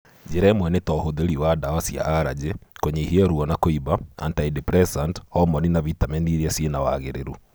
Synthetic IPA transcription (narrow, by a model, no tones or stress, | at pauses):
d͡ʒeɾaemwɛnetɔhoðeɾiwadawasja̰ʔaɾa̰d͡ʑekoɲehiaɾuɔnakoibaa̰ntaidipɾɛsanthɔmɔninaβitamɛniɾiɛsienawa̰ɣeɾeɾu